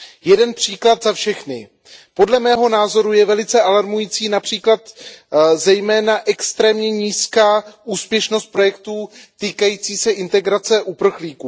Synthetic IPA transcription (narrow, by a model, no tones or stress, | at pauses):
jɛdɛnpr̝̥iːklat̪zafʃɛxnɪ | po̞dlɛmɛːɦo̞naːzo̞ɾujɛvɛlɪt͡sɛʔalaɾmujiːt͡siːnapr̝̥iːklat̪ | zɛjmɛːnaʔɛkst̪ɾɛːmɲɛɲiːskaːʔuːspjɛʃno̞st̪̚pɾo̞jɛkt̪uːt̪iːkajiːt͡siːsɛʔɪnt̪ɛɡɾat͡sɛʔupr̩xliːkuː